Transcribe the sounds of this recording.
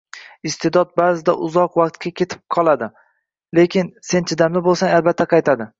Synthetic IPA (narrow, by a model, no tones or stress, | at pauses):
ɪst̪ʰed̪ɒt̪̚baːzɪd̪aʔʊzɒqwɑqt̪̚kʲakʲʰe̞t̪ʰɪ̥p̚qʰɒlˠad̪ɪ | le̞kʲɪnse̞nt͡ʃʰɪd̪amlɪbolˠsaŋalbat̪ʰːaqʰɑjt̪ʰad̪ɪ